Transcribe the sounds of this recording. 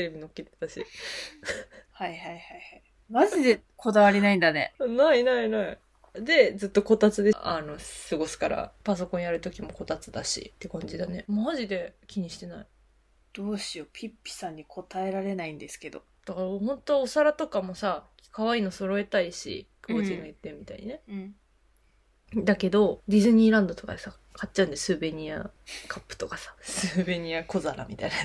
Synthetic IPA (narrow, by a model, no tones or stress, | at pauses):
t̪eɾebʲino̞kːet̪e̥t̪aɕḭ | haiɦaihaihai | maʑid̪e̞kʰo̞d̪aβaɾʲinaĩnd̪anḛnainainai | d̪e̞d͡zɨt̪ːo̞ko̞t̪at͡sɨd̪eʔano̞sɨɡo̞sɨ̥kaɾa̰pas̬o̞kõjaɾɯ̟t̪o̞kʲimo̞ko̞t̪at͡sɨd̪aɕḭt̪ːe̞kãɲ̟d͡ʑid̪ane̞maʑid̪e̞kʲiɲ̟iɕi̥t̪e̞nai | d̪̥o̞ːɕio̞pʲipʲːi̥sãɲ̟ːikʰo̞t̪ae̞ɾaɾe̞naĩnd̪e̞sɨ̥ke̞d̪o̞̰ | d̪̥akaɾhõ̞nt̪o̞ːsaɾat̪o̞kamo̞sa | kaβaiːno̞so̞ɾo̞e̞t̪aiɕḭkoːĩŋɡajɯt̪ːemʲːit̪a̰iɲinẽ̞ | d̪ake̞d̪o̞d̪ʲizɨɲ̟iːɾãnd̪o̞t̪o̞ka̰d̪e̞sa | katt͡ɕːaɯ̟nd̪esɨːbe̞ɲ̟iakʰapːɯ̟̥t̪o̞kasḁsɨbe̞ɲ̟iako̞zaɾa̰mʲit̪aina